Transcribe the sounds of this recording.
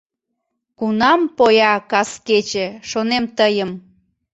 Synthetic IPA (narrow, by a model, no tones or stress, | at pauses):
kunɑmpojɑkɑsket͡ɕĕʃonemt̪əjəm